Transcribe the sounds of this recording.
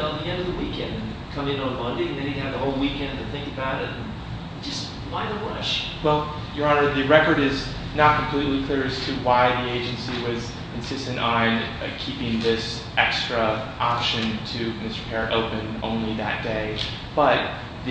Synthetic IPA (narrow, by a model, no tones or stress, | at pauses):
ət̪ðiɛ̃ndʌvðəwikɛ̃ndɨ̃n | kʰʌ̃mɪ̃nə̃mʌ̃ndeɪɨ̃nðeɪɾɪ̃ɨvðəhoʊlˠwikɛ̃ndɨ̃nθɪ̃ŋkɨbaʊɾɪtn̩̥ | d͡ʒ̥ʌst̚ | waɪðəɹʌʃ | wɛlˠ | jə˞ɑnə˞ðɨɹɛkə˞ɾɪz | nət̚kʰm̩pʰl̥itˡlikʰl̥ɪɹɨstʰɨwaɪðieɪd͡ʒɨ̃nsiwʌz | ɨ̃nsɪstɨ̃ntʔn̩ | kʰipɪ̃ŋðɪs | ʔɛkstɹ̥ɨʔɑpʃɨ̃ntʰɨmɪstə˞pʰɛɹɾʔo̰ʊpɨ̃nõ̰ʊ̃nliðɨ̰t̚d̥eɪ | b̥ʌt̪̚ | ð